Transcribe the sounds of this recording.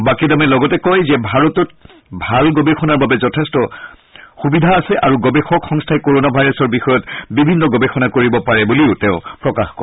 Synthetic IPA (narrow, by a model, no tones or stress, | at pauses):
bakidamɛlɔɡɔtɛkɔjzɛbʱaɹɔtɔt̚ | bʱalɡɔbexɔnaɹbabɛzɔtʰestɔ | xubidʱaːsɛʔaɹuɡɔbexɔkxɔŋstʰaɛkoɹonabʱajɹɔsɔɹbixɔjɔtbibʱinːɔɡɔbexɔnakoɹibɔpaɹɛbuliʊtɛʊ̃pɹɔkaxkɔ